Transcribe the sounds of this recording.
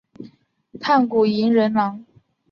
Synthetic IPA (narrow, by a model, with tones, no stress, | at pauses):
t̪ʰa˥˩nku˨˩i˧˥nɻə˧˥nnɑ˧˥ŋ